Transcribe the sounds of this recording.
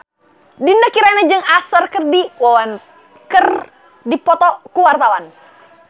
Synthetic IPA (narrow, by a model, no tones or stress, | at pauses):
dindəkiɾanad͡ʒɨŋasərkɨrdiwawan | kər | dipɔt̪ɔkuwart̪awan